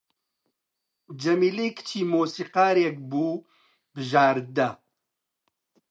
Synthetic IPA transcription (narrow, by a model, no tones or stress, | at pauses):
d͡ʒɐmiːleːkt͡ʃʰiːmoːsiːqaːɾek̚buː | bɨʒaːɾd̪ɐ